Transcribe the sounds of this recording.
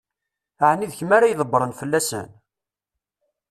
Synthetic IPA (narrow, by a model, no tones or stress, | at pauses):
ʕənːiðçəmaɾajðˤəbːɾˤənfəlːæsə̰n